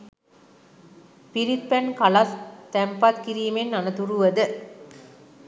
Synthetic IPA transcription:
piɾit̪̚pɛnkɐlɐst̪ɛmpɐt̪kiɾijmenːɐnɐt̪uɾuʋɐd̪ɨ

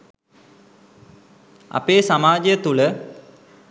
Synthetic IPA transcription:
ɐ̰peːsamaːd͡ʒjət̪ulə

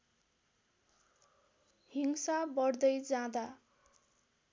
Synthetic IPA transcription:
hiŋsabʌɽd̪ʌjd͡zãd̪a

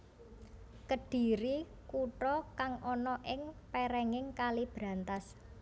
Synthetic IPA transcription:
kəɖ̥i̤ɾi | kuʈɔkaŋʔɔnɔʔɪŋpɛɾɛŋɪŋkalib̥ɾa̤nt̪as

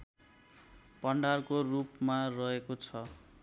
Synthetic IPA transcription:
pʌɳɖarkorupmarʌɦekot͡sʰʌ

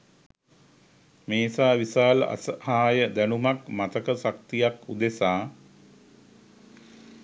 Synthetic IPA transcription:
meːsaːʋisaːləʔa̰səhaːjəd̪ænumakmat̪əkəsak̚t̪ijakud̪esaː

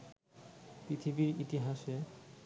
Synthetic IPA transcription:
pɾit̪ʰibiɾit̪iɦaʃe

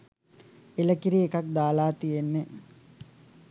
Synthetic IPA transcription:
eləkiɾiekak̚d̪aːlaːt̪ijenːe

